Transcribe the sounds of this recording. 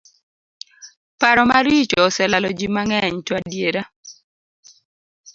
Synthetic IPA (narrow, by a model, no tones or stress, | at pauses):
paɾɔmaɾit͡ʃɔːsɛlalɔd͡ʒimaŋɛɲtwadjeɾa